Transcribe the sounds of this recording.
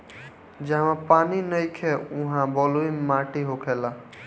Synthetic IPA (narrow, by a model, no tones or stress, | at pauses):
d͡ʒãmãpaninəjkʰeũɦãbɔluimaʈiɦokʰela